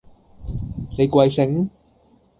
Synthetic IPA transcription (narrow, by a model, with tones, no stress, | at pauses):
ne˨˧jkwa˧jsɪ˨˥ŋ